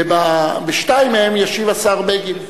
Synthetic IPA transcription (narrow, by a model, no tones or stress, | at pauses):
babeʃtaimhemjaʃivasaʁbeɡim